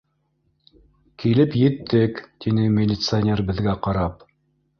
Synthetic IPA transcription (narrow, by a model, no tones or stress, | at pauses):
kilɘpjɘ̆t̪ːɘkt̪inɘmʲɪlʲɪt̪sɨɐnʲerbɘ̆ðɡæqɑɾɑp